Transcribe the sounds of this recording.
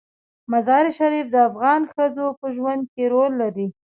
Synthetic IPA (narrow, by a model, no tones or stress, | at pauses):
mazɑɾiʃaɾifd̪əafɣɑnxəzopəʒwand̪̚keɾolːaɾi